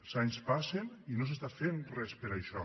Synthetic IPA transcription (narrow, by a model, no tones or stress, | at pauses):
zaɲspaseninos̬est̪afenrɛspəɾaʃɔ